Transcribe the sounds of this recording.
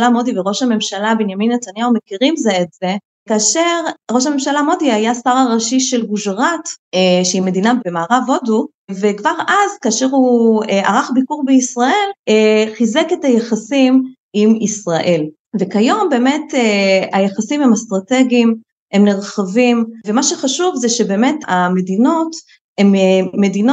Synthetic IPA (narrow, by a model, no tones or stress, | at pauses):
lamo̞diveʁo̞ʃhame̞mʃalabenjaminːet̪anjaumekiʁimzeːtze̞ | kaːʃe̞ʁʁo̞ʃ̬hame̞mʃalamo̞diajasaʁaʁaʃiʃe̞lɡuʒʁateʃeime̞dinabemaːʁavo̞du | vekvaʁazkaːʃeʁuaʁaχbikuʁbeisʁae̞leχizeketajaχasim | imisʁaʔe̞l | ve̞kajo̞mbe̞ːme̞teajaχasimhemast̪ʁate̞ɡim | emneʁχavimvemaʃeχaʃuvzeʃe̞be̞ːme̞tame̞dino̞t | emːe̞dino